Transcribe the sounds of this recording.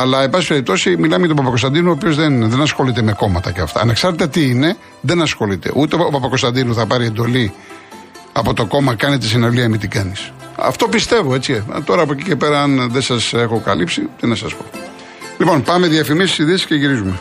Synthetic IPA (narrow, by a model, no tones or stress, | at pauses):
ɐlɐebɐsi̥pe̞ɾip̚t̪o̞similɐmeʝɐt̪opɐpɐkost̪ɐnd̪inuoːpiozðenðenɐsxo̞lit̪e̞me̞ko̞mɐt̪ɐceɐft̪ɐ̰ɐ̰neksɐɾt̪et̪et̪iine̞ | ðe̞nɐsxo̞lit̪ḛʔut̪eoopɐpɐko̞st̪ɐnd̪inuθɐpɐɾiend̪o̞li | ɐpo̞t̪o̞ko̞mɐkɐnet̪isinoliɐmit̪ikɐnis | ɐ̰ft̪o̞pist̪e̞voe̞t͡sḭt̪o̞ɾɐːpoecice̞pe̞ɾɐɐnðesɐse̞xokɐ̰lipsit̪inɐsɐ̰spo̰ | lipo̞npɐme̞ðiɐfimist̪isiðesi̥sceʝiɾizume